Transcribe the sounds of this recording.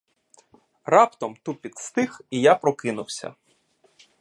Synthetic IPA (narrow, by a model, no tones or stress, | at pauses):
rɑpt̪ɔmt̪upʲidt̪st̪ɪxijapɾɔkɪnʊwsʲɐ̰